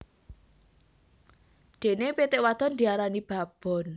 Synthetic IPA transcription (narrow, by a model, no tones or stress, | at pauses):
d̪̥e̤nepet̪ɪʔwad̪̥ɔnd̪iaɾanib̥a̤b̥ɔ̤n